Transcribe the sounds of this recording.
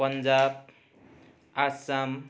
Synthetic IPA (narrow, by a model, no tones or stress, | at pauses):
pʌnd͡ʒab̚ | asam